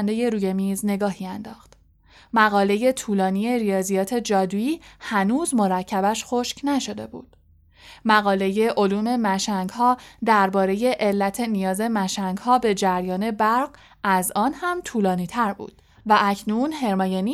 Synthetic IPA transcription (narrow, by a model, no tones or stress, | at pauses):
nd̪e̞je̞ɾuːje̞miːzne̞ɡɒːhiːænd̪ɒːxt̪ | mæɣɒːle̞je̞t̪ʰuːlɒːnije̞ɾijɒːzijɒːt̪ʰe̞d͡ʒɒːd̪uiːhænuːzmo̞ɾæcʰːæbæʃxo̞ʃcnæʃo̞d̪e̞̰bṵːd̪̥ | mæɣɒːle̞je̞ʔo̞luːme̞mæʃæŋɡhɒːd̪æɾbɒːɾe̞je̞ʔelːæt̪ʰe̞nijɒːze̞mæʃæŋɡhɒːbe̞d͡ʒæɾjɒːne̞bæɾɢ | ʔæzɒːnhæmt̪ʰuːlɒːniːt̪ʰæɾbṵːd̪̥ | væʔæcʰnunɦe̞ɾmɒːjeni